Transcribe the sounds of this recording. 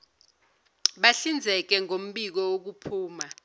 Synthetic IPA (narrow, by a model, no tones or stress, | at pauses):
ɓaɬind͡zʱɛk̬ɛŋom̩ɓik̬ɔok̬upʰuːma